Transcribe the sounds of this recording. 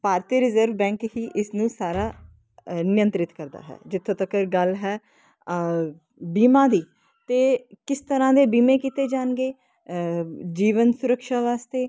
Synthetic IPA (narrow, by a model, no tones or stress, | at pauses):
paːɾt̪iːɾɪzəɾʋbɛ̃ːŋkɦiːʔɪsnũːsaːɾaː | nɪjə̃nt̪ɾɪt̪kəɾd̪a̰ːɦɛ̰ːd͡ʒɪt̪ʰːõːt̪əkəɾɡəlɦɛː | biːmãːd̪iː | t̪eːkɪst̪əɾãːd̪eːbiːmeːkit̪eːd͡ʒaːnɡeː | d͡ʒiːʋənsʊɾəkʃaːʋaːst̪eː